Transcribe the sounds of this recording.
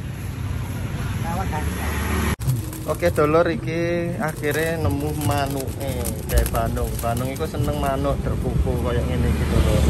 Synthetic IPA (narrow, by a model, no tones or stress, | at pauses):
aaɡa | ʔoked̪̥ɔ̤lɔɾikiakiɾenəmuhmanuʔedab̥anʊŋb̥anʊŋikusənəŋmanʊʔd̪̥ə̤rkukulkojɔʔŋenekid̪̥ɔlɔr